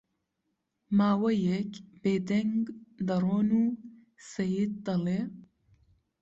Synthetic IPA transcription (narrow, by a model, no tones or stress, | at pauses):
maːwɐjekbeːd̪ɐŋɡd̪ɐɾoːnuː | sɐjid̪̚d̪ɐle